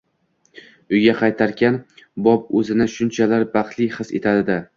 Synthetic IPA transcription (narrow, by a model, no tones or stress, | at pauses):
ʊjɡʲaqʰɑjt̪ʰaɾkʲanbɒp̚ɵzɪnɪʃʊnt͡ʃʰalaɾbɑqt̪ʰlˠɪjχɨsḛt̪ʰad̪ɪd̪ɪ